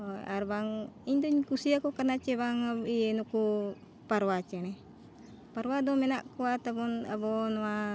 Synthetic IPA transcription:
oa̰ɾbaŋind̪oɲkusiakokanat͡ʃebaŋaienuku | paɾwat͡ʃene | paɾwadomenaʔkuat̪abɔna̰bɔnwa

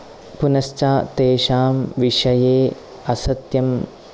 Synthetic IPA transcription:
punɐst͡ʃaːt̪eːʂaːmʋiʂɐjeː | ɐsɐt̪jɐm

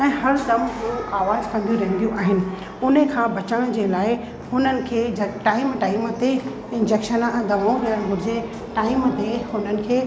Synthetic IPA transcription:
ɛ̃ːɦɐɾd̪ɐmuuʔaːʋaːzkɐ̃nd̪ijũɾɐɦɪ̃nd̪ijũʔaːɦɪnɪ̆ | ʊnəkʰãːbʱɐt͡ɕəɽ̃d͡ʑeːlaːɪ | hʊnənɪ̆kʰeːd͡ʑɐʈaːɪmʈaːɪmt̪e | ɪ̃nd͡ʑeːkʃənɛ̃ːd̪ɐʋaːũɾɐjəɽ̃ɦʊɾɪd͡ʑe | ʈaːɪmt̪ehʊnənɪ̆kʰeː

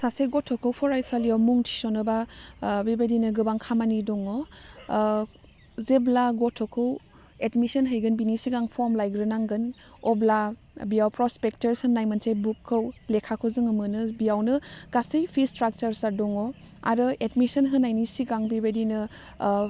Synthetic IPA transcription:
saseɡɔtʰːɔkʰɯwpʰɔɾajsalijawmuŋtʰi̥sɔnɯbabibajdinɯɡɯbaŋkʰamanidɔŋɔ | zeblaɡɔtʰːɔkʰɯw | etmisənɦɯjɡɯnbinisiɡaŋpʰɔɾmlajɡɾɯnaŋɡɯn | ɔbla | bijawpɾɔspek̚təɾsɯnːajmansʰejbukʰːɯwlekʰakʰɯwzɯŋɯmɯnɯbijawnɯɡ̥asɯjpʰistɾak̚t͡ʃaɾsaɾdɔŋɔ | a̰ɾɯedmisənɦɯnːajnisiɡaŋbibadinɯ

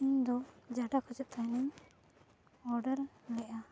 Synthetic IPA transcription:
iɲd̪ɔd͡ʒaɖakʰɔd͡ʒɔʔ̚t̪ʰajnɛɲ | ɔɾɖəɾlɛʔa

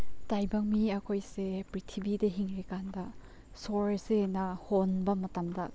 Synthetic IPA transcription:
tajbɐŋmiɐkʰojsepɾitʰibideɦiŋɾikandɐ | soɹsenɐhonbɐmɐtamdɐ

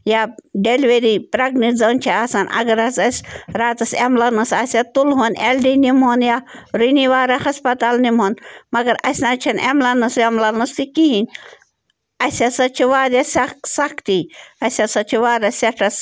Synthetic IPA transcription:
jaɖeliʋeɾipɾɐɡnizɐnt͡ʃʰiasanʔɐ̰ɡɐɾɐsɐsʲɾaːt̪ɐsemlɐnɨsasʲɐt̪ulɦonʲelɖinimɦoːnjaːɾuniʋaːɾɐhɐspɐt̪aːlnimɦonmɐɡɐɾɐsʲnat͡ʃʰɐnḛmlɐnɨsemlɐnɨst̪ikiɦinʲ | ɐsʲɐsɐt͡ʃʰiʋaːɾjasɐksɐkʰt̪iɐsʲɐsɐt͡ʃʰiʋaːɾɐsɐʈʰɐs

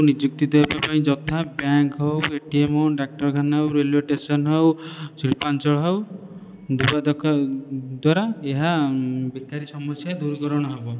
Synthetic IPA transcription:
nid͡ʒuk̚t̪id̪ejbapaĩd͡ʒɔt̪ʰabjaŋkɦɔweʈiemɔwɖak̚ʈɔɾkʰanwɾeleʈesɔnɦɔwsɾipant͡ʃɔɭɦɔw | d̪ubad̪ɔkʰad̪waɾaeɦabit̪aɾisɔmɔsjad̪uɾkɔɾɔɽ̃ɔɦebɔ

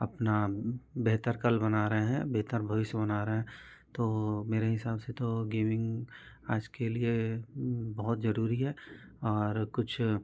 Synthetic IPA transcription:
ɐpnabeɦt̪əɾkɐlbɐnaːɾəɦeɦɛ̃beːt̪əɾbʱɐʋɪʃjəbɐnaːɾɐɦɛ̃ | t̪oːmeːɾeɦɪsaːbset̪oɡeːmɪ̃ŋɡaːd͡ʒkelie | bɐɦʊt̪zɐɾuːɾiɦɛɔːɾkʊt͡ʃʰ

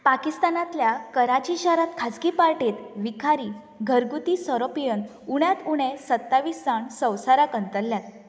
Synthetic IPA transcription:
pakist̪anãt̪ljakəɾat͡ɕiɕaɾat̪kʰad͡zkipaɾʈiːt̪ʋikʰaɾiː | ɡʱəɾɡut̪isəɾopijən | uɳjat̪uɽ̃esət̪ːaʋisd͡zaɳsə̃wsaɾakənt̪əlːjat̪̚

